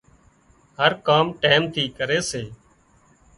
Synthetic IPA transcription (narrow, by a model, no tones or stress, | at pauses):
həɾkaːmʈeːmt̪ʰiːkəɾeːseː